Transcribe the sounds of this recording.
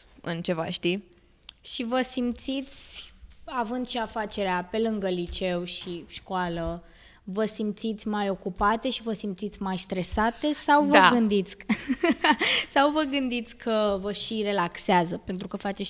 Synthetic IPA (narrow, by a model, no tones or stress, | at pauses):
ɨ̰nt͡ʃe̞va̰ʃt̪i | ʃivəsimt̪sit̪sʲavɨnd̪ʃiafat͡ʃe̞ɾeape̞lɨŋɡəlit͡ʃe̞wʃiʃkoalə | vəsimt̪sit̪sʲmajo̞kupat̪e̞ʃivəsimt̪sit̪sʲmajst̪ɾe̞sat̪e̞sawvɡɨnd̪it̪sʲ | sawvəɡɨnd̪it̪sʲkʰəvəʃiɾe̞lakseazəpe̞nt̪ɾukəfat͡ʃe